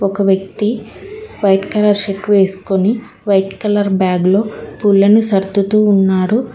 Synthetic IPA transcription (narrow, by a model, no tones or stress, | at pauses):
ɔkɐʋjɐk̚t̪iʋɐjʈkɐlɐɾʃeʈʋe̞ːsu̥koni | ʋɐjʈkɐlɐɾbjaːɡlo̞ːpulːɐnusɐɾd̪ʱut̪uːnːaːɽu